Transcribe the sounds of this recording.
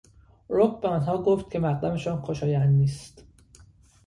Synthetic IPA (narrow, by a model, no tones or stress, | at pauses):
ɾokbeɒnɦɒːɡoft̪̚cʰe̞mæʁd̪æmeʃɒːnxoʃɒːjænd̪niːst̪